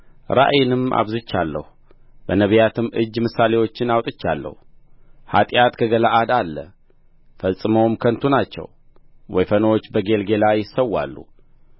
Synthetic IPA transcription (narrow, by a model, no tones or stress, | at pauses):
ɾa̰ʔjɪnɨma̰βzɨt͡ʃːalːə̰hu | bənəβjat̪ʰɨmɨd͡ʒːmɨsːale̞wo̞t͡ʃːɪnawt̪ʼɨt͡ʃːalːə̰h | ha̰t̪ʼjat̪kʰəɡəlaʔad̪alːə̰ | fəsʼːɨməwmkʰənt̪ʰunat͡ʃːɛ̰w | wɔjfəno̞t͡ʃːbəɡe̞lɡe̞lajɪsːəwːa̰lːṵ